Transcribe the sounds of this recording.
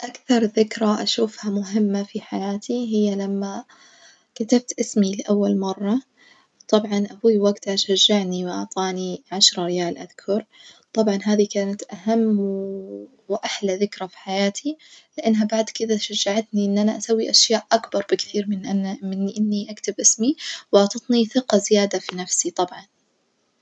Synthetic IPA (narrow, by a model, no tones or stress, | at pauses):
ʔakθɑɾˤðɪkɾaʔaʃuːfhamʊɦɪmːafiħajaːt̪ʰiɦɪjːalamːa | kat̪ab̚t̪ʔɪsmilɪʔawːalmɑrˤːɑ | t̪ˤɑbʕɑnʔahuːjːwaɡt̪aʃaʒːaʕniwɪʔɑ̰ʕt̪ˤɑːniʕaʃɾˤɾɪjaːlʔaðkʰɑɾˤt̪ˤɑbʕɑnɦaːðikaːnat̪ʔaɦamː | wɪʔaħlaðɪkɾafi̥ħajaːt̪ʰilɪʔanːɦabaʕd̪kɪd̪aʃaʒːaʕat̪niʔɪnːʔanaʔasawːiʔaʃjaːʔʔakbɑɾˤbɪkθiːɾmɪnmɪnːiʔɪnːiʔakt̪ɪbʔɪsmiwʔɑʕt̪ˤɑt̪ˤniθɪqɑzɪjaːd̪afinafsit̪ˤɑbʕɑn